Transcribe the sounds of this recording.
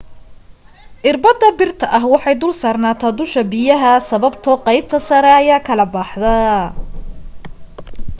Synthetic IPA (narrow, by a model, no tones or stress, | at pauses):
ʔɪrbɐd̪ɐbɪrt̪ʰɐʔɐɦwɑħɑjd̪ʊlsaːrnaːt̪ʰaːd̪ʊʃɐbɪjɐɦɐsɐβɐbt̪ʰɔqɑjb̚t̪ʰɐsɐɾɛɐjaːkʰɐlɐbɑħðɐ